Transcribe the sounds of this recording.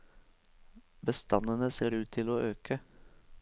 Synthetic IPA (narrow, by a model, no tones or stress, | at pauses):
bəst̪ʰɑnənəseːɾʉːt̪̚t̪ʰɪloːʔøːkʰə